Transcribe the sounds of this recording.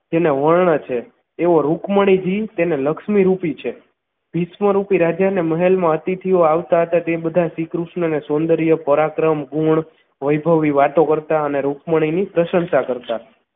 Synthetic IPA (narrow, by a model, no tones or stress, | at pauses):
d͡ʒeneʋəɭɳət͡ʃʰeː | ʋoɾukməɽ̃id͡ʒit̪eneləkʃmiɾupit͡ʃʰe | bʱisməɾupiɾad͡ʒaneməɦelmãət̪it̪ʰioaʋt̪aɦət̪at̪ebəd̪ʱasikɾuʃnənesond̪əɾijəpəɾakɾəmɡuɳ | ʋəjbʱəʋiʋaʈ̪okəɾt̪aəneɾukməɽ̃inipɾəʃənʃakəɾt̪a